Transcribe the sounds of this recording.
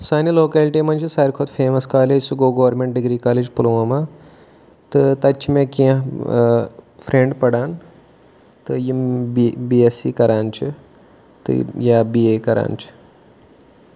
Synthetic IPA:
saːniloːkaːlʈimɐnʲt͡ʃʰisɐːɾkʰot̪feːmɐskaːlesuɡoːɡoʋɐɾmẽɳʈ̚ɖiɡɾiːkaːled͡ʒpuluʋɐma | t̪ɨt̪ɐt͡ʃʰimẽkiã | fʰɾẽɳɖpɐɽaːn | t̪ɨjimbiːesḭːkɐɾaːnt͡ʃʰi | t̪ɨ̰jaːbiːekɐɾʔa̰ːnt͡ʃʰi̥

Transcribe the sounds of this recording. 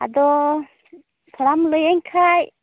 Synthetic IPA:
a̰d̪ɔ | t̪ʰɔɽamlɔjɛɲkʰaj

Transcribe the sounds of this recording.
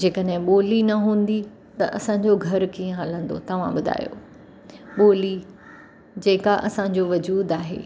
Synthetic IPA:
d͡ʑeːkəɗɦɪ̃ɓoːlinɐɦũːn̆d̪i | t̪ɐʔɐsãɲd͡ʑoɡʱɐɾkiːə̃ɦɐlə̃nd̪o̰t̪ɐʋ̤ã̰ɓʊd̪ʱa̰ːjo̰ | ɓoːli | d͡ʑeːkaʔɐsãɲ̆d͡ʑoʋɐd͡ʑuːd̪aːɦḛː

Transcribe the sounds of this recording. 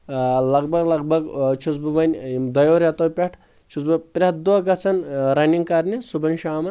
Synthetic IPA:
lɐɡ̚bɐɡlɐɡbɐɡt͡ʃʰut͡sbubɐnʲd̪ɐjoːɾɐt̪owpʲeʈʰ | t͡ʃʰut͡sbɐpʲɾʲɐt̪̚d̪ɔɡɐt͡sʰɐnɾɐnʲiŋɡkɐɾnʲisubɐnʲʃaːmɐ

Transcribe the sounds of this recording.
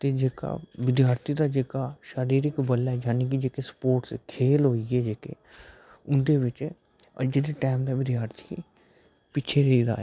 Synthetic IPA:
t̪eːd͡ʒeːka̰ːʋɪd̪jaːɾt̪ʰiːd̪aːd͡ʒeːkaːʃaɾiːɾɪkbəlːaːɛːd͡ʒaːneːk̬ɪd͡ʒeːkeːspoːʈskʰeːlɦoːiɛːd͡ʒeːkḛː | ʊnd̪eːʋɪt͡ʃ | ə̰d͡ʒd̪eːʈɛːmd̪aːʋɪd̪jaːɾt̪ʰi̥ː | pɪːt͡ʃʰeːɾeiːd̪a̰ːɛ̰

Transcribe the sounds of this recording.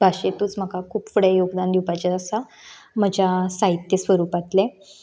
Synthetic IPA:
bʱaɕet̪uːt͡sm̤əɡakʰuːpfəɽejoɡd̪and̪ʱiwpat͡ɕaəsa | m̤əd͡ʑʱasait̪ːjesʋəɾuːpat̪le

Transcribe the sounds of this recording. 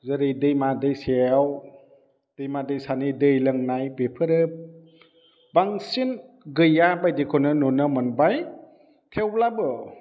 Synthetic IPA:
zəɾijdɯjmadɯjseaw | d̥ɯjmadɯjsanidɯjlɯŋnajbepʰɯɾɯ | baŋsin | ɡɯjabajdikʰɔnɯnɔnɯmɯnbaj | tʰewlabɯ

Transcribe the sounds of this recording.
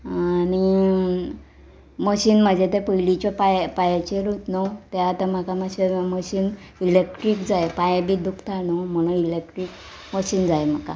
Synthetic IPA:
ani | məɕiːnm̤əd͡ʑet̪epəjlit͡ɕɔpajpajat͡ɕeɾut̪not̪eat̪am̤akaməɕiməɕiːn | ilekʈɾikd͡zaepajabʱiːd̪ukt̪ʰanom̤əɽ̃uilek̚ʈɾiːk | məɕiːnd͡zajem̤aka̰

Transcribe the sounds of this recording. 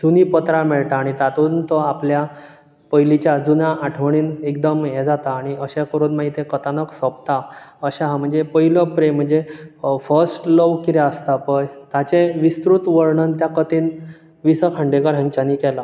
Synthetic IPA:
d͡zunipət̪ɾãmɛɭt̪aːɽ̃it̪at̪uːnt̪ɔaplja | pəjlit͡ɕjad͡zunãʔaʈʰʋəɳ̃iːnekd̪əmjɛd͡zat̪aːɽ̃iəɕẽkəɾuːnmaɦit̪ẽkət̪anəksəp̚t̪aəɕãɦam̤əɳd͡zepəɦiləpɾem̤əɳd͡zefəɾsʈləʋkiɾeəst̪apəjt̪at͡ɕeʋist̪ɾut̪ʋəɾɳənt̪jakət̪iːn | ʋisəkʰə̃ɳɖekəɾɦə̃ŋt͡ɕanikɛla

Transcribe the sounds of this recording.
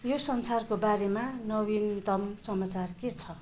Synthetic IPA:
josʌnsarkobaɾemanʌbint̪ʌmsʌmat͡sarket͡sʰʌ

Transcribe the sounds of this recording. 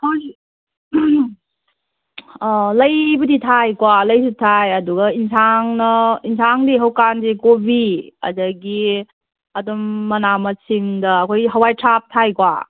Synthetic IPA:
haw | lɐjbɐditʰajkwalɐjsutʰajɐduɡɐinsaŋnɐinsʰaŋdiɦɐwkanzekobiɐ̰dɐɡi | ɐdɔmːɐnamɐsiŋdɐːkʰojɦɐwajtʰap̚tʰajkwa̰

